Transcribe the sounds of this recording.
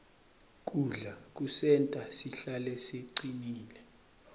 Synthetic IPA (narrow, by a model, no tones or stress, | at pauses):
k̬ʼuɮak̬ʼusɛntʼasiɬalɛseǀiniːlɛ